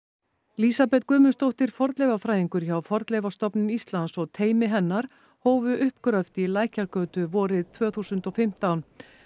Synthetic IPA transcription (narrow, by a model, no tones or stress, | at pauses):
lisapɛt̪kœːmʏnst̪owht̪ɪɾ̥fɔɾt̪lɛjvafɾaːjðiŋkʏɾ̥çawfɔɾt̪lɛjvast̪ɔpnʏnist̪lansɔɣt̪ʰeːjmɪɦɛnːaɾ̥ | hoːwvʏʔʏhpkɾœft̪ilaːjhcaɾkœːt̪ʏvɔːɾɪðt̪ʰvœːθusʏnt̪ɔfɪm̥t̪awn